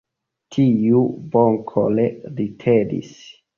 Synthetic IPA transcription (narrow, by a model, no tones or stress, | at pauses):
tʰiuboŋkʰo̰leɾitʰedḭs